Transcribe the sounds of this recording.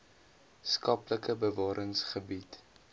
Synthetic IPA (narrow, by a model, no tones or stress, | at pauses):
skɐpləkəbəvɑːɾʔəŋsχəbit